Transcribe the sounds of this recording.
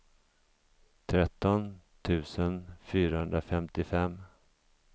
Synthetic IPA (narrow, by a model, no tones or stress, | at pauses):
t̪ʰɾɛt̪ːɔn | t̪ʰʉ̟ːsənfyːɾahɵnd̪ɾafɛmt̪ɪfɛmː